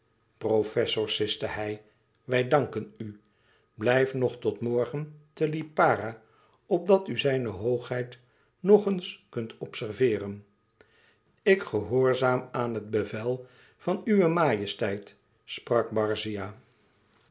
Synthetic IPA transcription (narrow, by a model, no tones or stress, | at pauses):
profɛsʊɹsɪstəɦɛj | ʋɛjdɑŋkəny | blɛjfnɔχtɔtmɔɹχəntəlipaːra | ɔb̚dɑtyzɛjnəɦowχɦɛjt | nɔχənskɵntʰɔpsɛɹvɪːrən | ɪkχəɦʊːɹzaːmaːnɦəd̚bəvɛlˠ | v̥ɑnyʋəmaːjəstɛjt | sprɑk̚bɑɹzijaː